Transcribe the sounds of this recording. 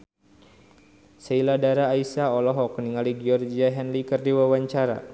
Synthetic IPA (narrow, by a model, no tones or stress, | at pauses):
sailadaɾaːisaɔlɔɦɔkniŋaliɡiɔrd͡ʒiaɦɛnlikərdiwawaɲt͡ʃaɾa̰